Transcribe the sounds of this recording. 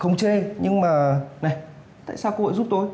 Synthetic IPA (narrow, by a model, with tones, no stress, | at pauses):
xə˧wŋ͡mt͡ɕe˧ɲɨ˧ŋmaː˨˩na˨˩j | t̪a̰ː˧˨jsaː˧wko˧ho̰˧˨jzu˦˥p̚t̪o˨˧˦j